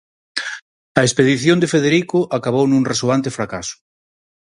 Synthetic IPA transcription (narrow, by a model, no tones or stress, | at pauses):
ɐespeðiθjõnd̪efeðeɾikʊʔakaβ̞ownũŋresoant̪efɾakasʊ̥